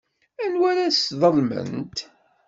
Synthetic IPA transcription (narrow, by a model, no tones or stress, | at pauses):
ænwæɾasðˤəlmə̰nt̪